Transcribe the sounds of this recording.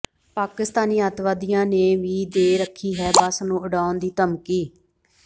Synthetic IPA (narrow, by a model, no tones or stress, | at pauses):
paːkɪst̪aːniːət̪ʋaːd̪ɪjãːneːʋiːd̪eːɾəkʰːiːɦɛːbəsnũːʊɖaːond̪iːt̪əmkiː